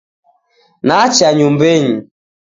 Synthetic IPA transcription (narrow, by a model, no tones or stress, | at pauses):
nat͡ʃaɲumbɛɲi